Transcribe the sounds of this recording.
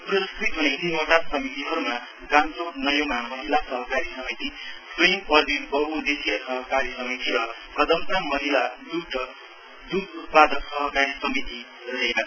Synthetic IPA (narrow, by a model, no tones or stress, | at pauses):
prʌskrit̪ɦunekimoʈasʌmit̪iɦʌɾuma | ɡamsoknʌjomamʌɦilasʌɦʌkaɾisʌmit̪isrimpʌd̪ibʌɦud̪esijʌsʌɦʌkaɾjʌsʌmit̪iɾʌ | kʌd̪ʌmsamʌɦilad̪uʈʌ | d̪ukut̪̚pad̪ʌksʌɦʌkaɾisʌmit̪i | ɾrʌɦeka